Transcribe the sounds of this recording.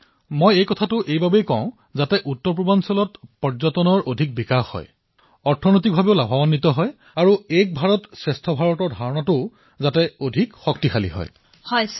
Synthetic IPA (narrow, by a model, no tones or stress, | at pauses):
mojejkɔtʰatʊʔejbabejkɔ̃ʊ̃ | zatɛʔutːɔɹpɹɔbansɔlɔtpɔɹzɔtɔnɔɹʔodʱik̚bikaxːɔ̰j | ɔɹtʰɔnojt̬ik̚bʱabeʊlabʱɔbanːitɔɦɔj | aɹuek̚bʱaɹɔtsɹɛstʰɔbʱaɹɔtɔɹdʱaɹɔnatʊ | zatɛodʱikxɔk̚tixʰalḭɦɔ̰j | hɔj